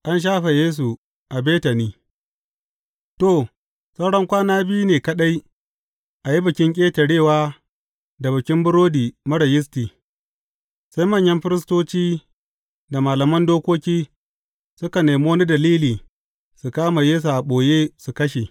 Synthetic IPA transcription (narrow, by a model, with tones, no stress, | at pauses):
ʔa˦nʃ̬aː˦ɸe˨jeː˦s̬u˨ | ʔa˨beː˦tɐ˨niː˦ | to˦˨ | sɐ˦wɽɐ˦ŋkʷaː˦naː˦bɪ˦ju˦neː˨kɐ˦ɗa˦j | ʔa˨ji˦bɪ˨kʲɪ˦ŋkʲʼeː˦tɐ˨ɽeː˦˨waː˦ | da˨bɪ˨kʲɪ˦mbʊ˦ɽɾoː˦diː˨mɐ˦ɽɐ˨jɪ˦s̬tiː˨ | sa˦jmɐ˦˨ɲjɐ˦mɸɪ˦ɾɪ˦s̬toː˦t͡ʃiː˦ | da˨maː˨lɐ˨mɐ˦ndoː˦kʷoː˦kʲiː˦ | sʊ˦ka˨neː˨moː˦ni˦dɐ˨liː˦liː˨ | su˨kaː˦ma˨jeː˦s̬u˨ʔa˨ɓoː˨jeː˦su˨kɐ˦ʃe˨